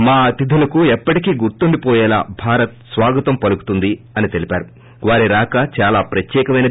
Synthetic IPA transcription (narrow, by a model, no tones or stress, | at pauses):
maːɐt̪id̪ʱulɐkuɛpːɐʈikiːɡuɾt̪uɳɖipɔːjɛːla̰ːbʱaːɾɐt̪̚sʋaːɡɐt̪ɐmpɐluku̥t̪und̪i | ɐnit̪e̞lipʲaːɾu | ʋaːɾiɾaːkɐt͡ʃaːlaːpɾɐt̪jɛːkɐmɐjnɐ